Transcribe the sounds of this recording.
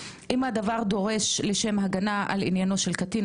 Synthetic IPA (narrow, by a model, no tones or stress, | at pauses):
ʔimad̪avaʁd̪o̞ʁe̞ʃleʃe̞mɦaɡanaʔa̰lḭnjano̞ʃe̞lkat̪i